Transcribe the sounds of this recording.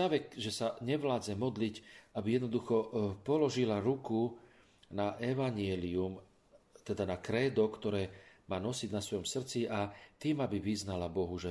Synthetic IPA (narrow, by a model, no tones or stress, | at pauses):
aʋɛkʒɛsaɲɛʋlaːd͡zɛmɔd̪licʔabijɛd̪nɔd̪uxɔpɔlɔʒilaɾuku | naʔɛʋaɲɪɛlium | t̪ɛd̪anakɾɛːd̪ɔkt̪ɔɾɛːmaːnɔsidnasʋɔjɔmsr̩t͡siat̪iːmabiʋiznalabɔɦuʒɛ